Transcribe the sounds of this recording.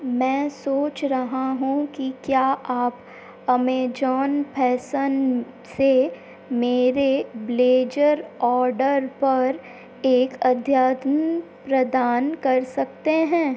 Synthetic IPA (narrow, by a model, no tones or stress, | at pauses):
mɛ̃ːsoːt͡ʃɾɐɦaɦũkikjaːʔaːp | ɐmeːd͡ʒɔːnpʰɛːsən | se | meːɾebleːd͡ʒəɾɔːɾɖəɾpɐɾ | eːkɐd̪ʱjaːt̪ənpɾɐd̪aːnkɐɾsɐk̚t̪eɦɛ̃ː